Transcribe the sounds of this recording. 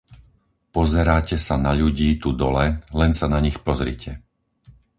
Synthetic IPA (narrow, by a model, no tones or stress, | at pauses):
pɔzɛɾaːcɛsanaʎuɟiːt̪ud̪ɔlɛlɛnsanaɲixpɔzɾḭcʰɛ